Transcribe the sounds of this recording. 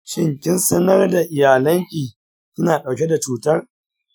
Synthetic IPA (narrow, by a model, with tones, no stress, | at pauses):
ʃɪ˦ŋkʲɪ˦nsɐ˦nɐ˦rda˨ʔɪ˨jaː˨lɐ˦ŋkʲʼiː˨ | kʲɪ˦naː˨ɗa˨wkʲe˦da˨t͡ʃuː˨tɐ˦r